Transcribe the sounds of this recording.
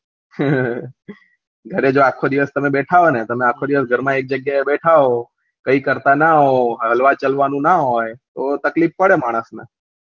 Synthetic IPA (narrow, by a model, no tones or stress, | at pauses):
ɡʱəɾed͡ʒoakʰod̪iʋəst̪əmebɛʈʰaonet̪əmeakʰːod̪iʋəsɡʱəɾmãek̚d͡ʒəɡjaebɛʈʰao | kəikəɾt̪anaɦoɦəlʋat͡ʃəlʋanũnaɦɔjt̪ot̪əklifːəɽemaɽ̃əsna̰